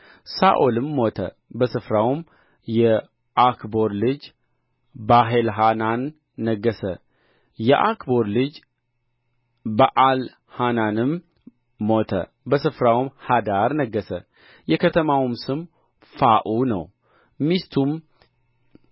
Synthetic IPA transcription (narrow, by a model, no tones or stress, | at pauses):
saʔolɨmːo̞t̪ʰə̰ | bəsɨfɾawm | jɛ | ʔakbo̞ɾlɨd͡ʒ | baɦelɦananː | əɡːəsə | jɛʔakbo̞ɾlɨd͡ʒ | baʔal | hananɨmː | o̞t̪ʰə̰ | bəsɨfɾawmhad̪aɾnəɡːəsə | jɛkʰət̪ʰəmawmsɨm | faʔunə̰w | mist̪ʰum